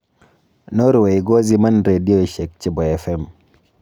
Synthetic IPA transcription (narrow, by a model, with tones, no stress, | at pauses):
no˦ɾwe˨i˨ɡɔ˦zi˦ma˦nɾe˨di˦o˦˨ʃe˨k̚t͡ʃɪ˨˦bɔ˨ɛ˨fɛ˦m